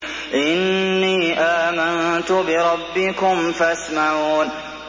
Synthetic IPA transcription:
ʔɪnːiːʔaːmant̪ʊbɪɾˤɑbːɪkʊmfasmaʕuːn

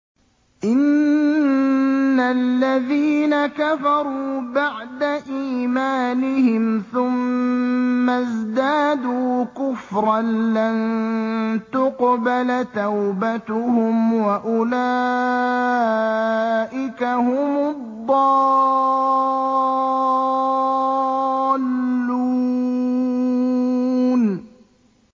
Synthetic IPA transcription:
ʔɪn | alːaðiːnakafɑɾˤuːbaʕd̪aʔiːmaːnɪhɪmθʊmː | azd̪aːd̪uːkʊfɾˤɑnlan | t̪ʊqbalt̪awbat̪ʊhʊmwaʔʊlaː | ʔɪkahʊmʊd̪ˤːɑː | lːu | n

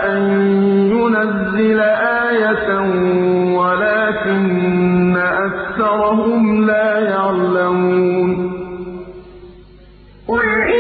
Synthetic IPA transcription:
ʔanjʊnazːɪlaʔaːjat̪ | walaːkɪnːaʔakθɑɾˤɑɦʊmlaːjaʕlamuːn | qʊlɪ

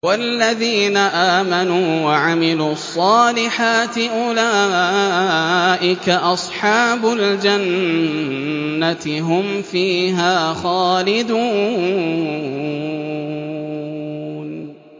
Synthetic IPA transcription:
walːaðiːnaʔaːmanuːwaʕamɪluːɑɑsˤːɑːlɪħaːt̪ɪʔʊlaː | ʔɪkaʔɑsˤħɑːbʊld͡ʒan | at̪ɪɦʊmfiːɦaːxɑːlɪd̪uː | n

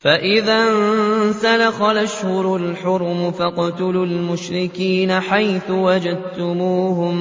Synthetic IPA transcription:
faʔɪðansalaxalʔaʃhʊɾʊlħʊɾˤmʊfaqʊt̪ʊlʊlmʊʃɾɪkiːnaħajθʊwad͡ʒad̪̚t̪ʊmuːhʊm

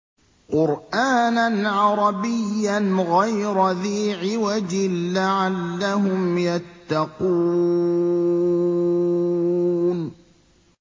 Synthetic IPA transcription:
qʊɾʔaːnanʕɑɾˤɑbɪjːanɣajɾaðiːʕɪwad͡ʒɪlaʕalːaɦʊmjat̪ːɑquː | n

